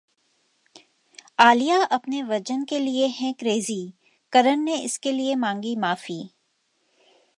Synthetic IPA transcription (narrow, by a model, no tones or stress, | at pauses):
aːlijaʔɐpneʋɐd͡ʒənkelieɦɛ̃kɾeːzi | kɐɾənneɪskeliemãːŋɡimaːfiː